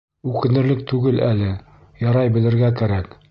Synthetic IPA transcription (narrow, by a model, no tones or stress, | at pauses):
ʉkɘ̆nɘ̆ɾlɘk̚t̪ʉɡɘlʔælɘ | jɑɾɑjbɘ̆lɘ̆ɾɡækæɾæk